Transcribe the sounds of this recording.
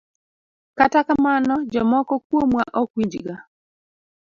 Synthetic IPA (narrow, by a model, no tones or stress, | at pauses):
katakamanɔd͡ʒɔmɔkɔk̚womwaʔɔkwiɲd͡ʒɡa